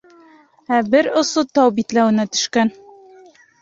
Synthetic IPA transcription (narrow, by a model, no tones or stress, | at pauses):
æbɘɾŏsɤt̪ɑwbit̪læwɘ̆næt̪ɵ̥̆ʃkæn